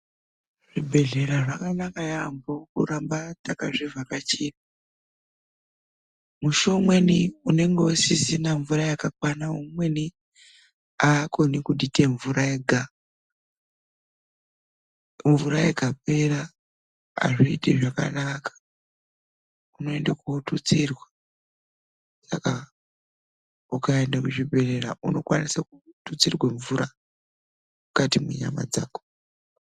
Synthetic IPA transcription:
ʐibʱe̞ɮe̞ɾaʐakanakajambokṵɾambatakaʐivʱakat͡ʃipa | muʃo̞mwe̞niune̞ŋɡeosisinaɱvurajakakwanaumwe̞ni | aːko̞nikuɗiteɱvuɾaeɡʱa | ɱvuɾajeɡʱape̞ɾa̰ː | ʐiite̞ʐaka̰nakʰḁ | uno̞e̞ndakuotut͡sirwa | saka | ukaendakuʐibe̞reraʔuno̞kwanisakutut͡sirweɱvuɾa | mukatimuɲa̰ma̰d͡zaːko̥

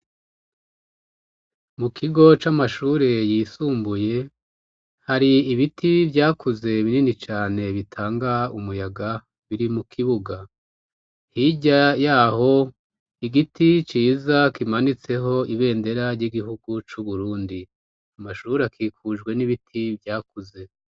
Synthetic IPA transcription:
mukʰiɡo̞t͡ʃamaʃuːɾe̞jiːsuːmbuje̞ | haɾiiβitʰivjaːkuze̞iβininit͡ʃaːne̞βitʰaːŋɡaumujaɡa | βiɾimukʰiβuɡa | hiɟajaːho̞ | iɡitʰit͡ʃiːzakimanit͡se̞ɦo̞iβe̞ːnde̞ɾaɾɟiɡiɦuɡut͡ʃuβuɾuːndi | amaʃuːɾeakʰiːkuʒɡwe̞niβitʰivjaːkuze̞

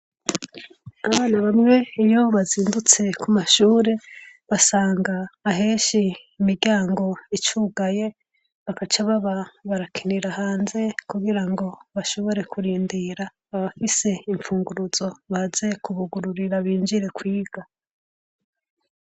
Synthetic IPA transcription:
aβaːnaβamŋe̞ijo̞βaziːndut͡se̞kumaʃuːɾe̞ | βasaːŋɡaːɦeːʃiː | miɾɟaːŋɡo̞it͡ʃuːɡaje̞ | βakat͡ʃaβaβaβaɾakʰiniɾahaːnze̞kuɡiɾaŋɡo̞βaʃo̞βo̞ɾe̞kuɾiːndiɾaː | βafise̞iɱfuːŋɡuɾuz̥o̞βaze̞kuβuɡuɾuɾiɾaβiːnd͡ʒiɾe̞kwiːɡ̥a

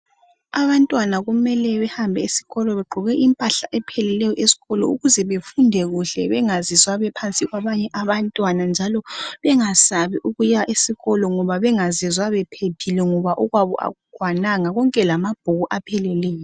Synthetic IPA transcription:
aβantʼwanaɣumɛlɛβɛhambʱɛisi̥ɣɔlɔβɛɡ͡ǃʱɔɣɛʔimpʼaɬaʔɛpʰɛlɛlɛjɔʔesi̥ɣɔlɔṵɣuzɛβefundʱɛɣuɬɛ̰βɛŋazizwaβɛpʰant͡sʼiɣwaβaɲɛʔaβantʼwanand͡ʒʱalɔβɛŋasaβiʔuɣujaʔisiɣɔlɔŋɔβaβɛŋazizwaβɛpʰepʰilɛŋɔβaʔuɣwaβɔ̰ʔa̰ɣuɡ̥ʱwanaŋaɣɔŋkʼɛlamab̥ʱuɣuʔapʰɛlɛlɛːjɔɔ

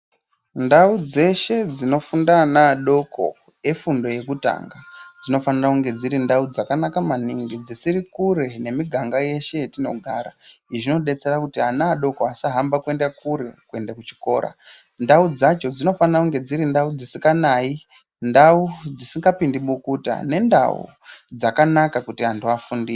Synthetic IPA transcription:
ndaud͡ze̞ʃe̞d͡zino̞fundanaːɗo̞kʰo̞̰ | e̞fundo̞je̞kuta̰ŋɡad͡zino̞fanirakuŋɡe̞d͡ziɾindaud͡zakanakamaniŋɡid͡zisiɾikuɾe̞ne̞miɡʱaŋɡaje̞ʃe̞tino̞ɡʱaɾaiʐino̞ɗe̞t͡se̞rakutianaːɗo̞koasaɦambakue̞ndakuɾe̞kue̞ndakut͡ʃi̥ko̞ːɾa̰ | ndaud͡zat͡ʃo̞d͡zino̞fanirakuŋɡe̞d͡ziɾindaud͡zisikanai | ndaud͡zisiŋɡapindiɓukuta̰ne̞nda̰ṵ | d͡zakanakakutiɦantuafundi

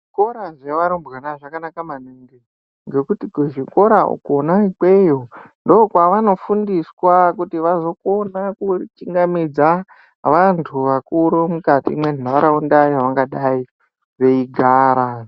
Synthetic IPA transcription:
ʐiko̞ɾaʐeʋaɾombɣanaʐakanakamaneŋɡe | ŋɡe̞kutikʐiko̞ɾaṵkonaike̞jondoːkwaʋano̞fundiswakutiʋazo̞ko̞nakut͡ʃiŋɡamid͡za | ʋantʰuʋakuɾomukatḭːmwen̤aaɾaundaiaʋaŋɡaɗai | ʋe̞iɡʱaːɾa

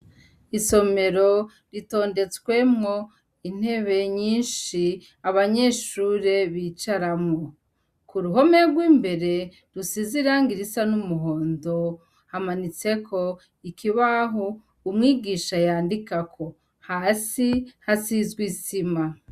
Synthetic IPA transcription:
iso̞me̞ɾo̞ | ɾito̞ːnde̞t͡swe̞mŋo̞ | in̥he̞βe̞ɲiːnʃi | aβaɲe̞ʃuːɾe̞βiːt͡ʃaɾamŋo | kuɾuɦo̞me̞ɡwiːmbe̞ɾe̞ | ɾusiziɾaŋɡiɾisanumuɦo̞ːndo̞ | hamanit͡se̞kʰo̞ | ikʰiβaɦo | umŋiːɡiːʃajaːndikakʰo̞ | hasihasizɡwisima

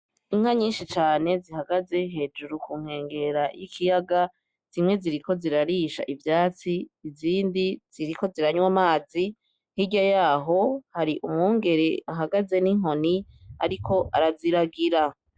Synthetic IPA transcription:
iŋ̥haɲiːnʃit͡ʃaːne̞ziɦaɡaze̞ɦe̞d͡ʒuɾukuŋ̥he̞ːŋɡe̞ɾajḭkʰijaɡa | z̥imŋe̞ziɾiko̞ziɾaɾiːʃa̰ʔivjaːt͡siːziːndiz̥iɾiko̞ziɾaɲwamaːzi | nhiɟajaːɦo̞haɾiʔumŋuːŋɡe̞ɾeaɦaɡaze̞niŋ̥ɦo̞nia̰ɾikʰo̞ʔaɾaziɾaɡiɾa

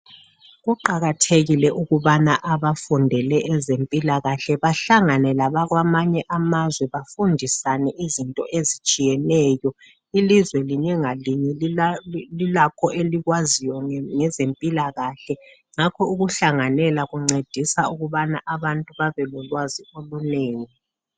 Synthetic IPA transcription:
ɣuǃaɣatʰeɣilɛʔuɣuβanaʔaβafundʱɛlɛɛzempʼilaɣaɬɛβaɬaŋanɛlaβaɣwamaɲɛʔamazwɛβafundʱisanɛʔizintʼɔ̰ʔezit͡ʃʼijɛnɛːjɔ | ilizwɛliɲɛŋaliɲɛl | lilakʰɔʔeliɣwazijɔŋɛzempʼilaɣaɬɛ | ŋakʰɔuɣuɬaŋanɛlaɣuŋ͡ǀed̥ʱisauɣuβanaʔaβantʼuβaβɛlɔlwazioluneːŋi

